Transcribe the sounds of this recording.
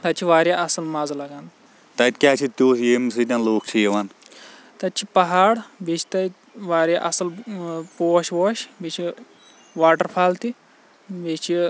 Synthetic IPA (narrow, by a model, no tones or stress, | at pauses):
t̪at͡ɕʰiʋaːɾjaʔɐsəlmad͡zlaɡãnd̪ | t̪ait̪kʲaːt͡ʃʰit̪ʲjoːsjems̬it̪ʲãnloːk̚t͡ʃʰijeʋan | t̪at͡ʃipɐɦaɽbet͡ʃʰi̥t̪ait̪ | ʋaːɾʲjaʔɐsəlpoːɕʋoɕbet͡ʃʰi | ʋaːʈəɾfʰaːlt̪i | bet͡ʃi